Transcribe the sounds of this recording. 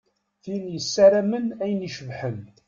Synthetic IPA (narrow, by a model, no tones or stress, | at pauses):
θinjəsːæɾæmənæjəniʃəvħən